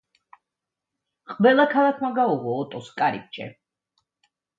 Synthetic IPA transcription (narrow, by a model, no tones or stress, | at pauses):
qʼvɛlˠakʰalˠakʰmaɡauʁɔːt̪ʼɔskʼaɾḭk̚t͡ʃʰʼɛ̰